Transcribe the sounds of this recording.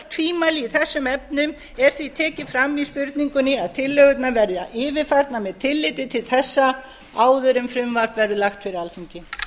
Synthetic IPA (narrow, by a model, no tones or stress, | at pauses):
t̪ʰviːmaliiθɛsːʏmɛpnʏm | ɛɾ̥θvit̪ʰɛːcɪfɾamːispʏɾt̪niŋkʏnɪaðt̪ʰɪlːœɣʏt̪navɛɾðaʔɪːvɪfajɾt̪namɛːðt̪ʰɪlːɪːt̪ɪt̪ʰɪlθɛsːa | aːwðʏɾʏmfɾʏmvaɾ̥pvɛɾðʏlaxt̪fɪɾɪɾalθiɲcɪ